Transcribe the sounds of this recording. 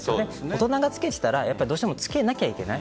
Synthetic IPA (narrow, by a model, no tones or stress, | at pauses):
soːneesot̪o̞naɡat͡sɨ̥ke̞t̪e̥t̪aɾajapːaɾid̪oɕit̪e̞mo̞t͡sɨ̥ke̞nakʲaikʲe̞na̰i